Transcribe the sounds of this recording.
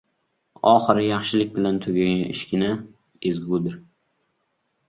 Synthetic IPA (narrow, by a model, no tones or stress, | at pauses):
ɒχɨɾɪjɑχʃɪlɪkʲbɪlant̪ʰʊɡʲaɡɪ̰ʃkʲɪna | ezɡud̪ɪɾ